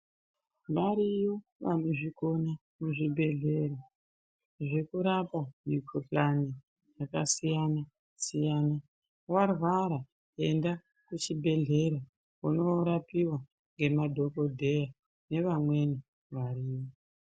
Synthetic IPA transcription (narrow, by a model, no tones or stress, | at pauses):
ʋaɾijoʋa̰noʐiko̞na | muʐibʱe̞ɮe̞ɾa | ʐe̞kuɾapamukʰoɬani | jakasijana | sijana | warwaɾa | e̞nda | kut͡ʃibʱe̞ɮe̞ɾa | uno̞ɾapiwa | ŋɡe̞madʱo̞ko̞dʱe̞ja | ne̞ʋamwe̞ni | ʋaɾiːwo